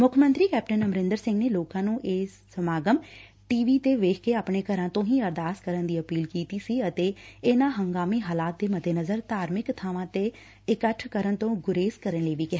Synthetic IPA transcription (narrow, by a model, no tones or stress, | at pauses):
mʊkʰmənt̪ɾiːkɛːp̚ʈənəmɾɪ̃nd̪əɾsɪ̃ŋɡneːloːkãːnũːʔeːsːəmaːɡəm | ʈiːʋiːt̪eːʋeːkʰkeːaːpɳeːkəɾãːt̪õːɦĩːəɾd̪aːskəɾənd̪iːəpiːlkiːt̪iːsiːət̪eːɪnãːɦəŋɡaːmiːɦaːlaːt̪̚d̪eːməd̪ʱeːnəzəɾt̪aːɾmɪkt̪ʰaːʋãːt̪eː | ɪkəʈʰkəɾənt̪õːɡʊɾeːskəɾənləiːʋiːkɪɦaː